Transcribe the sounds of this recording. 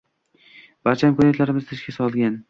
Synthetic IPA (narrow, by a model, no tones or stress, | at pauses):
b̥aɾt͡ʃʰaɪmkʰonat̪laɾɪmɪzt̪ʰɪʃkʲasɒlˠɡʲan